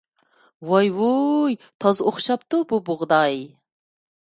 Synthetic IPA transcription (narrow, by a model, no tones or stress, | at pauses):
wɑjwujt̪ʰɑzoχʃɑp̚t̪ububʊʁd̪ɑj